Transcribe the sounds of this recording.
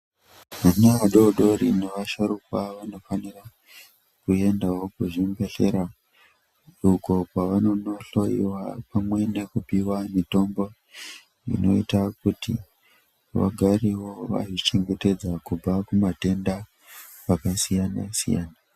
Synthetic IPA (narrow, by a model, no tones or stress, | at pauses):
maneaɗoɗo̞rine̞ʋaʃoɾokwaʋano̞fanira | kue̞ndawo̞kuʐimbe̞ɬe̞̰ɾa | uko̞kwaʋano̞no̞ɬo̞jḭwapamwe̞ne̞kupiwamito̞mbo̞ | ḭno̞̰itakuti | ʋa̰ɡʱariwoʋa̰ʐit͡ʃe̞ŋɡe̞te̞d͡zakub͡vakumate̞nda | ʋakasijana̰sḭja̰ːna